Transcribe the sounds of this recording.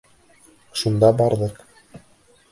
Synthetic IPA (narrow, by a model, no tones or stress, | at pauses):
ʃund̪ɑbɑɾðɤq